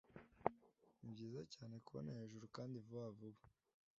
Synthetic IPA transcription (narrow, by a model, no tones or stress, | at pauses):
ibɟiːzacaːne̞kuβo̰neheʒuɾukaːndivuavuβḁ